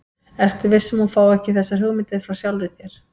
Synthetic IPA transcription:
ɛr̥t̪ɪvɪsɛmhunfaːwɛhcɪθɛsːaɦʏɣmɪnt̪ɪðɪfɾawsjawlvɪθjɛɾ̥

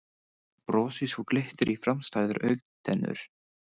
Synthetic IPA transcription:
pɾɔːsishuklɪht̪ɪɾʔifɾamst̪aːjðʏɾʔœɥkt̪ʰɛnːʏ̰ɾ̥

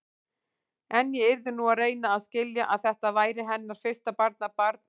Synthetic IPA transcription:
ɛnjɛɪɾðɪnuaðreːjnaːðscɪljaʔa̰ðθɛht̪avaːjɾɪɦɛnːaɾ̥fɪr̥st̪apaɾt̪̚napaɾt̪

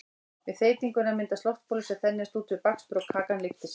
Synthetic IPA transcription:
vɪðθeːjt̪iŋkʏnamɪnt̪ast̪ɔft̪̚pʰoːlʏsɛθɛnːɪɛst̪uːt̪ʰvɪɾpakspɾowkʰaːkanlɪft̪ɪs

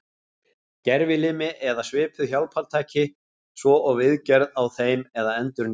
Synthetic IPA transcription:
cɛɾvɪlɪːmɪʔɛðasvɪːpʰʏðçjawlpʰaɾlt̪ʰaːcɪ | svɔʔɔɣvɪðcɛɾðawθejmɛðaɛnt̪ʏɾn

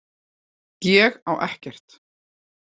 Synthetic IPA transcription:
jɛːɣawʔɛhcɛr̥t̪

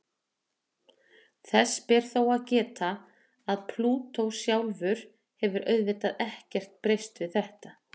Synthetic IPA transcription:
θɛsːpɛɾ̥θowaðcɛːt̪aː | ðpʰluːt̪owsjawlvʏɾ̥ | hɛvʏɾʔœɥðvɪːt̪aðɛhcɛr̥t̪̚pɾejst̪vɪðθɛht̪a

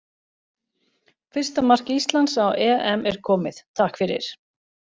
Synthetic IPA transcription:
fɪr̥st̪amar̥kist̪lansawɛːʔɛmɛɾ̥kʰɔːmɪθt̪ʰaːhkfɪɾɪ̰ɾ̥

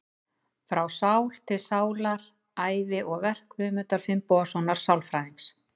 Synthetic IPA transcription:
fɾawsawl̥t̪ʰɪlsaːwlaɾ | aːjvɪʔɔɣvɛr̥kvʏmʏnt̪aɾ̥fɪmpɔasɔwnaɾ̥sawlfɾaːiŋs

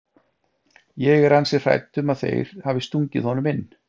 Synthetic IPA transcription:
jɛɣɛɾansɪ̥r̥a̰jt̪ʏmaðθḛjɾ̥haːvɪst̪uɲcɪ̰ðhɔnʏmɪnː

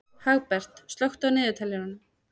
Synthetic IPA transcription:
haɣpɛr̥t̪st̪lœwxt̪awnɪːðɪt̪ʰaljɪnanːʏ

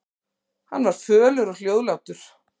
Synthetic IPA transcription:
hanːvaɾ̥fœːlʏɾɔl̥joːwðlawt̪ʏɾ̥

